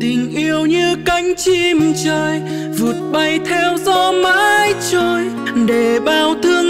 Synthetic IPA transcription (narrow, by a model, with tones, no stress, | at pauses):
t̪ï˨˩ŋ̟ʔi˧əwɲɨ˧ka˨˦jŋ̟t͡ɕi˧mt͡ɕəː˧j | vu˨˩ət̚ɓa˧jt̪ʰɛ˧wzɔ˧ma̰ː˧˥jt͡ɕəː˧j | ɗe˧˩ɓaː˧˩wt̪ʰɨ˧əŋ